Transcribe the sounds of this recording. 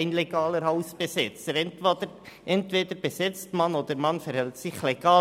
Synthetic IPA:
ɪnlɛɡ̥ɑːləɾhɑʊsb̥ɛsɪt͡səɾɛntʋɑd̪ə | ʔɛntʋeːd̥̪əɾb̥ɛsɪt͡stmɑnoːd̪əɾmɑnfəɾhɛltsɪχlɛɡ̥ɑː

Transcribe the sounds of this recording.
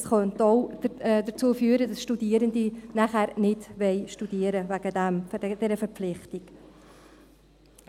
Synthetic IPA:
sχœntoʊdəɾt͡suːəfyːəɾədɑsʃtudiəɾəndinæχæːɾnɪdʋɛɪʃtud̥iəɾəvæɡ̥ədæmfɛd̥ɛɾəfəɾflɪχtiɡ

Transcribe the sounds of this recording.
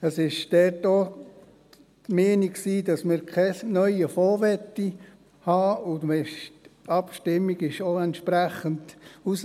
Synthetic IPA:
əsɪʃd̥ɛrto | tmeːniksiːdɑsmɪɾkʰɛnœʏəfɔːʋɛtːi | hɑːʊmɛʃtɑpʃtɪmːiɡ̥ɪʃoɛnt̪ʃpɾæχəntus

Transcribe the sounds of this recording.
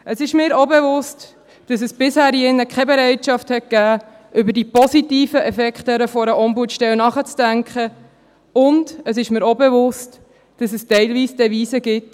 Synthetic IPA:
ʔəsɪʃmɪːɾobɛvʊst | d̥ɑs̬əsb̥ɪshæːɾjɪnːəkχɛbɛɾɛɪtʃɑfthɛt̚ɡ̥æː | ʔʏbəɾdipɔsitiːfəʔɛfɛkχtəɾəfɔɾəʔɔmbutʃtɛlnɑχət͡sd̥æŋkχə | ʊndəsɪʃmɪːɾobɛvʊst | d̥ɑsəstɛɪlviːsd̥ɛʋiːsəɡɪt

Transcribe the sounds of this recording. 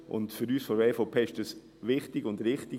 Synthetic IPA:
ʔʊ̰ntfʏɾyːsfɔɛːfopʰeːɪʃd̥əs | ʋɪχtɪɡʊndɾɪχtɪ

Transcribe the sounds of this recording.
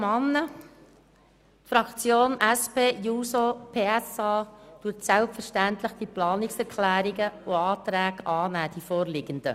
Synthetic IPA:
mɑnːə | t̪fɾɑkt͡sjoːnʔæspeːjuːsopʰeːɛsɑːd̥ʊtsɛlpfəɾʃtænt̪ləχd̥̪iplɑːnɪksɛɾkʰlæːɾiɡəʊɑːt̪ɾæːɡɑːnæːd̥ifɔːɾlɪɡənd̥̪ə̰

